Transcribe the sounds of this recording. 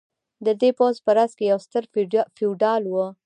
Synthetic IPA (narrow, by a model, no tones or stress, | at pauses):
d̪əd̪epozpəɾazkejawst̪əɾfiɖɑlwə